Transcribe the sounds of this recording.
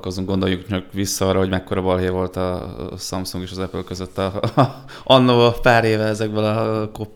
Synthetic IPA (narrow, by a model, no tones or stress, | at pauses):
ko̞zuŋɡo̞nd̪o̞jukt͡ʃɒkʋisːɒɒrːɒɦo̞ɟmɛkːo̞ɾɒbɒlɦevo̞lt̪ɒsɒmsuŋɡeːʃɒzɛpølkøzøt̪ːɒ | ɒnːoːpaːɾeːvɛɛzɛɡ̚bølɒkop